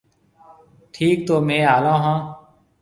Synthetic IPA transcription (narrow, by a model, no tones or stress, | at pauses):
ʈʰiːk̚t̪oːmẽːaːlãːɦãː